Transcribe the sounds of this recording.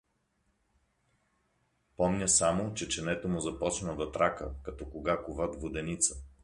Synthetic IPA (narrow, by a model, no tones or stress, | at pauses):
pɔmnʲəsamot͡ʃɛt͡ʃɛnɛt̪omʊzɐpɔt͡ʃnəd̪ɐt̪ɾakəkɐt̪ɔkoɡakʊvad̪vod̪ɛnit̪sə̥